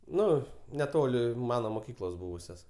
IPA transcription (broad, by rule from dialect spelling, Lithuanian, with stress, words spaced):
ˈnʊ nʲɛˈtoːlʲɪ ˈmɑːnoː moːˈkʲiːklˠoːs ˈbuːʋʊsʲoːs